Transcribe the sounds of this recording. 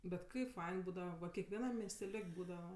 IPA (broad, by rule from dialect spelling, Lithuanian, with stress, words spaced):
bʲɛt ˈkɐɪp ˈfɐɪn ˈbuːdɐʋɐ ʋɐ kʲɛkʋʲɛˈnɐm mʲiɛsʲtʲɛˈlʲoːkʲ ˈbuːdɐʋɐ